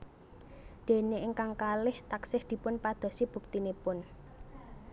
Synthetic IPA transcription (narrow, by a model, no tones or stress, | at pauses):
d̪̥e̤neʔɪŋkaŋkalɪht̪aksɪhd̪̥i̤pʊnpad̪̥ɔ̤sib̥ṳk̚t̪inepʊn